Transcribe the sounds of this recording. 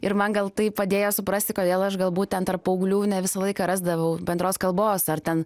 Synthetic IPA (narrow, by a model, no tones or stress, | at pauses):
ɪɾmɐnɡɐlˠt̪ɐɪppɐd̪ʲeːjoːsʊpɾɐsʲt̪ʲɪkoːd̪ʲeːlˠɐʃɡɐlˠbuːt̪̚ʲtʲɛnt̪ɐɾpɐʊɡlʲuːnʲɛʋʲɪsɐlˠɐɪkɐːɾɑːzd̪ɐʋɐʊbʲɛnd̪ɾoːskɐlˠboːsɐrt̪ʲɛn